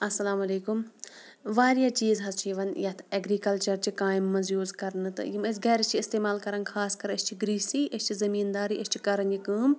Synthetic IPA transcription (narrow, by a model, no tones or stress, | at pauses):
ɐsɐlaːmɐleːkum | ʋaːɾijaːt͡ʃiːzɦɐzt͡ʃʰiʋɐnjɐt̪ʰɐɡɾiːkɐlt͡ʃɐɾt͡ʃikaːjimːɐzjuːzkɐɾnɨt̪ɨ̰jimɐs̬ɡɐːɾɐst͡ʃʰiɪst̪eːmaːlkɐɾɐnɡxʰaːskɐɾɐst͡ʃʰiɡɾiːsiːʔɐst͡ʃʰizɐmiːnd̪aːɾiʔɐst͡ʃʰi̥kɐɾɐnikɨːm